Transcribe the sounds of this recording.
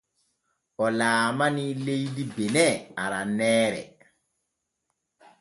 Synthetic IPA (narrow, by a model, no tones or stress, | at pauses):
ʔɔlaːmanilejdibenɛaɾanɛːɾɛ̰